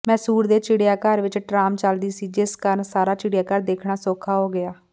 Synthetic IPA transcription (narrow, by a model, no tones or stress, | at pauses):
mɛ̃ːsuːɾd̪eːt͡ʃɪɽejaːkəɾʋɪt͡ʃʈɾaːmt͡ʃəld̪iːsiːd͡ʒɪskəɾnsaːɾaːt͡ʃɪɽjaːkəɾd̪eːkʰɳaːsoːkʰaːɦoːɡɪaː